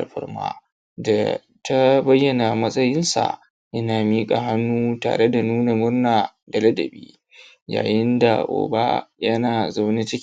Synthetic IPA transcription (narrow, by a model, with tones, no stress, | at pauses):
ɸɪ̰˦rma̰ː˦ | da˨ | tʰa˦bɐ˦jːɐ˨na˨mɐ˦sʼɐ˦jɪ˦nsa̰˨ | ʔɐ˦naː˨miː˦kʼa˨ɦa˦nːuː˦ta̰ː˨ɽe˦da˨nuː˦na˨mʊ˦rnaː˨ | da˨lɐ˦dɐ̰˨bḭː˦ | ja̰ː˨jɪ˦nda̰˨ʔo̰ː˨ba̰˦jɐ˦naː˨za˦wni˦t͡ʃɪ˦kʲ